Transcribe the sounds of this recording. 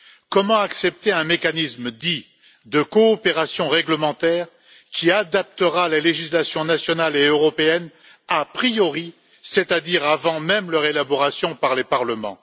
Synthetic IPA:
kɔmɑ̃aksɛp̚t̪eɛ̃mekanisməd̪i | d̪əkɔːpeʁasjɔ̃ʁɛɡləmɑ̃t̪ɛːʁ | kʲʰiad̪apt̪əʁaleleʒislasjɔ̃nasjɔnaleøʁɔpeɛn | apχijɔʁi | set̪ad̪iʁavɑ̃mɛmlœʁelabɔʁasjɔ̃paʁlepaʁləmɑ̰̃

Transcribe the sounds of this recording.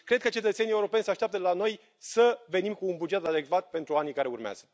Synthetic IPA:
kɾe̞d̪̚kət͡ʃe̞t̪ət̪senieuɾo̞penʲsəaʃt̪ʲap̚t̪əlano̞j | səve̞nimkuːnbud͡ʒe̞t̪ad̪e̞kvat̪̚pe̞nt̪ɾuanijkaɾe̞urmea̰z̥ə

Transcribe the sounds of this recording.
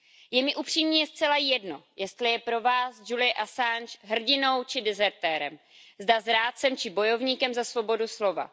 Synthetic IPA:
jɛmɪʔupr̝̥iːmɲiːjɛst̪t͡sɛlajɛdno̞̰jɛst̪lɪjɛpɾo̞vaːsd͡ʒulɪjɛʔasanʃɦr̩ɟɪno̞wt͡ʃɪdɛzɛɾt̪ɛːɾɛ̰m | zdazɾaːt͡sɛmt͡ʃɪbo̞jo̞vɲiːkɛmzasvo̞bo̞duslo̞va̰

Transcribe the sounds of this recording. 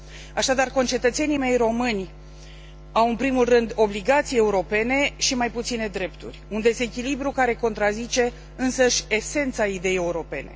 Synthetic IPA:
aʃad̪arkont͡ʃe̞t̪ət̪se̞nime̞jro̞mɨnʲ | awɨnpɾimulrɨnd̪o̞bliɡat̪sijeeuɾo̞pe̞ne̞ʃimajput̪sine̞d̪ɾe̞pt̪ṵrʲund̪e̞ze̞kʲilibɾukaɾe̞ko̞nt̪ɾazit͡ʃe̞ | ɨnsəʃʲe̞se̞nt̪said̪e̞jee̞uɾo̞pe̞ne̞̰

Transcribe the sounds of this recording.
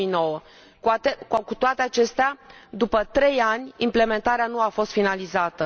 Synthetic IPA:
ijno̞wə | kt̪ekkut̪oat̪eat͡ʃe̞st̪ead̪upət̪ɾe̞janʲimple̞me̞nt̪aɾeanuafo̞st̪finalizat̪ə

